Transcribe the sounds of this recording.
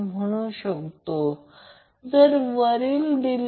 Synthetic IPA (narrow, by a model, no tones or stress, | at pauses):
m̤əɽ̃uɕəkt̪o | d͡zəɾʋəɾild̪il